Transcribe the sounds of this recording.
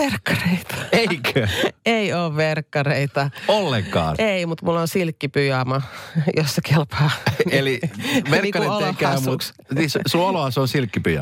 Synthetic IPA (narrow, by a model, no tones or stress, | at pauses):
ʋerkːɑreit̪ɑ̥eikʰæeioːʋʋerkːɑreit̪ɑolːeŋkɑ̰ːnʔeimut̪mulːonsilkːipyjɑmɑjosːekelpɑːeliʋerkːɑelːekæɑymuks | nissuoloɑseonsilkːipyjɑ̰